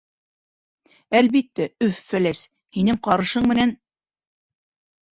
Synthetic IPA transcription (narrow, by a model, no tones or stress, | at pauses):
ælβit̪ːæɵfːælæs | hinɘŋqɑɾɤ̆ʃɤɴmɘ̆næn